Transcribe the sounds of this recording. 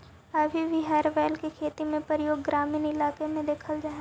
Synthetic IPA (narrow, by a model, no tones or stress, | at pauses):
ɐbʱibʱiɦɛːɾʋɛːlkekʰeːt̪imẽpəɾjoːɡːɾaːmiːnɪlaːkemẽd̪eːkʰəld͡ʒaːɦe